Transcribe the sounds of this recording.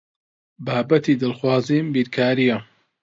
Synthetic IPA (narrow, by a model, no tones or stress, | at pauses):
baːbɐt̪iːd̪ɨlxwaːziːmbiːɾkʰaːɾijɐ